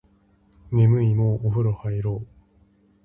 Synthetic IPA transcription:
nemɯ̟imoʔːɸɯ̟ɾohaiɾoː

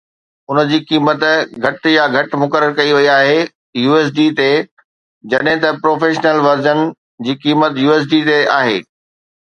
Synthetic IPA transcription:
ʊnə̆d͡ʑiːkiːmət̪ɡʱɐʈjaɡʱɐʈ̆mʊkəɾəɾkɐiʋɐiaːɦe | juːeːs̬ɖiːt̪e | d͡ʑɐɗɦɪ̃t̪ɐpɾoːfeːʃnəlʋɐɾd͡ʑənɪ̆ | d͡ʑiːkiːmət̪juːeːs̬ɖit̪eaːɦḛː

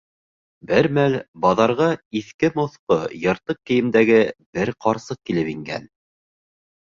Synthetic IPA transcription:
bɘɾmælbɑðɑɾʁɑiθkɘmŏθqojɤ̆ɾt̪ɤq̚kːɘ̆jɘ̆md̪æɡɘb̥ɘɾqɑɾsɤq̚kilɘpiŋɡæ̰n

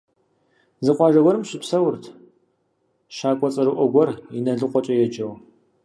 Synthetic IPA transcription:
zɨqʷɑːʒɐwɐɾɨmɕɪpsɐwʊrtʰ | ʃaːkʷʼɔt͡sʼɐɾɨʔʷɔɡʷɔrinɐɮɨqʷɔt͡ʃʼɐjɛd͡ʒɐw

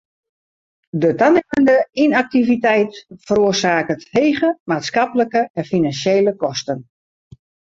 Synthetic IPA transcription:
dətanɛməndəinak̚tivitɛjtfəɾoːərsaːkətheːɣəmaːtskapləkəɛnfinansjejləkɔstən

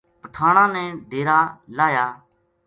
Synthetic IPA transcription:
pəʈʰaːɳãːnɛ̃ːɖʱeːɾaːlaːjaː

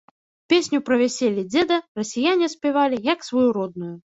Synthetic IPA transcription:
pʲesʲnʲupɾɐvʲasʲelʲid͡zʲɛd̪ɐrɐsʲijanʲɛsʲpʲɛvalʲijɐksvɔjuɾɔd̪nuju

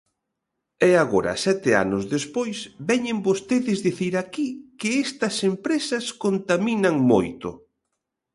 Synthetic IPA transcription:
ɛaɣoɾɐ̰sɛt̪ɪa̰nʊzðespojsbɛɲembost̪eðɪzðiθiɾakikɪɛst̪ɐsempɾesɐskont̪aminɐŋmo̰jt̪ʊ̰

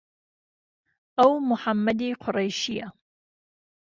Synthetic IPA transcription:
ʔawmʊħamːad̪iːqʰʊɾˤɑjʃɪjːa

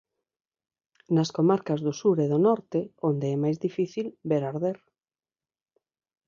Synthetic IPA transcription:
nɐskomaɾkɐzðʊsuɾeðonɔɾt̪eond̪eɛmajzðifiθilbeɾaɾðeɾ

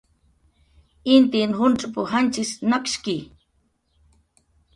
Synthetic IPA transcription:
int̪inhʊnʈ͡ʂʼapʊhant͡ʃisnakʃki

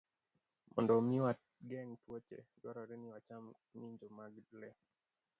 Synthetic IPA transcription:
mɔ̰ndɔmiwatɡɛŋtwot͡ʃḛdwɔɾɔɾɛnɪwat͡ʃam | miɲd͡ʒomaɡdlɛ

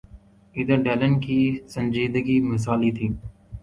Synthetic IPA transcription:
iːd̪əɾɖeːlənkʰiːsə̃nd͡ʒiːd̪əɡiːməs̬aːliːt̪ʰiː

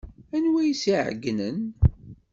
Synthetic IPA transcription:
ænwæjisiʕə̰ɡːnən

